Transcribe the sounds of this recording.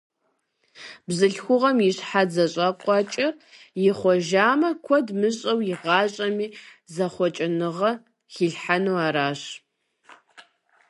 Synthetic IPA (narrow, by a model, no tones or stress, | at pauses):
bzɨɬxʷʊʁɐmjɪɕħad͡zɐɕʼɐqʷʼɑt͡ʃʼɐrjɪχʷɔʒaːmɐkʷʰɔdmɨɕʼɐwjɪʁɑːɕʼɐmiːzɐχʷɔt͡ʃʼɪnɨʁɐ | xiɬħanowaːɾaːɕ